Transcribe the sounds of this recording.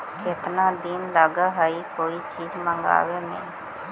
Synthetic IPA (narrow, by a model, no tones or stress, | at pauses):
kɪt̪naːd̪ɪnləɡaɦəikoːit͡ʃiːzmə̃ŋɡa̰ːwemẽː